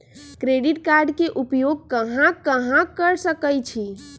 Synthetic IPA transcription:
kɾeɖiʈkaɾɖkeʔupjoɡ̚kəɦãkəɦãkəɾsəkəjt͡ʃʰi

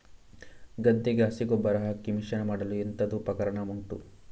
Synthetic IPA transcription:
ɡɐd̪ːeɡeɦɐsiɡɔbːɐɾɐɦɐkːimiʂɐnɐmaːɽɐluent̪ɐd̪upɾɐkɐɾɐɳɐmuɳʈṵ

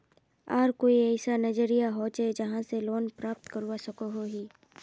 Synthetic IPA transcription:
aːɾkoːiɛːsanɐd͡ʒəɾijaɦoːt͡ʃed͡ʒɐɦãseloːnpɾaːp̚t̪kəɾuasɐkoɦoɦiː

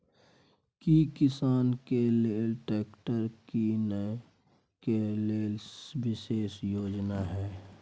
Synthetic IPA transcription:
kikɪsaːnkeleːlʈeːkʈəɾkinə | keleːlsʋɪʃeːsjoːd͡ʒnaɦɛː

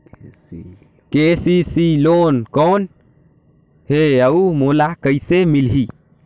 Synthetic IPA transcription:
kesisiloːnkoːn | heəumoːlakəisemilɦi

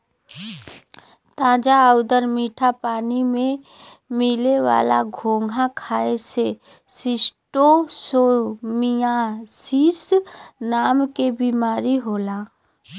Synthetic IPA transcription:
t̪ãːd͡ʒaəʊd̪əɾmiːʈʰapaːnimẽ | mɪleʋa̰ːla̰ɡʱoːŋɡʱãkʰaːese | sɪsʈosoːɾmijasiːsnaːmkebiːmaːɾiɦoːlaː

